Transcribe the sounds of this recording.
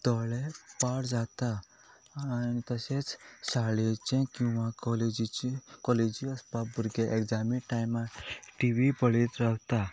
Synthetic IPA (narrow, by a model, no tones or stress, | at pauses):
t̪ɔɭepaɽd͡zat̪aː | nit̪əset͡ssaɭet͡ɕɛ̃kĩw̃ʋãkɔled͡ʑikɔled͡ʑiəspabuɾɡeʔekd͡zaminʈajmaʈiʋipəɭet̪ɾawt̪a